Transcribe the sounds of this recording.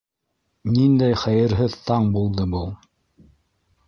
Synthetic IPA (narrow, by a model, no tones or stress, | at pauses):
nind̪æjχæjɘ̆ɾɦɘðt̪ɑɴbulˠd̪ɤbɤlˠ